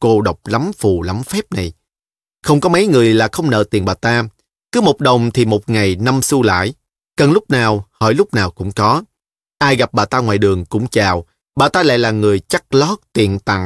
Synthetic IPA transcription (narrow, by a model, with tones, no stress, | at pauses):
ko˧ɗə˨˩wk͡p̚la˨˦mfu˨˩la˨˦mfɛ˦˥p̚na˨˩j | xə˧wŋ͡mkɔ˨˦mə˨˦jŋɨ˨˩əjlaː˨˩xə˧wŋ͡mnə̰ː˧˨t̪i˨˩ənɓaː˨˩t̪aː˧ | kɨ˨˦mo˨˩t̚ɗə˨˩wŋ͡mt̪ʰi˨˩mo˨˩t̚ŋa˨˩jna˧msu˧la̰ː˧˨j | kə˨˩nlʊ˦˥k͡p̚naː˨˩whə̰ː˧˩jlʊ˦˥k͡p̚naː˨˩wkʊ̰˧˥ŋ͡mkɔ˨˦ | ʔaː˧jɣa˨˩p̚ɓaː˨˩t̪aː˧ŋwa̰ː˧˨jɗɨ˨˩əŋkʊ̰˧˥ŋ͡mt͡ɕaː˨˩w | ɓaː˨˩t̪aː˧la̰ː˧˨jlaː˨˩ŋɨ˨˩əjt͡ɕa˦˥k̚lɔ˦˥t̚t̪i˨˩ənt̪a̰˧˨ŋ